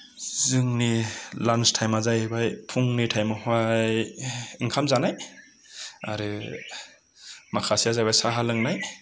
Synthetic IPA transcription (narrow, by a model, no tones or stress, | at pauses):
zɯŋnilanstʰajmazajbajpʰuŋnitʰajmɯhwajiŋkʰamzanaj | a̰ɾɯ | makʰasiazajbajsaɦalɯŋnaj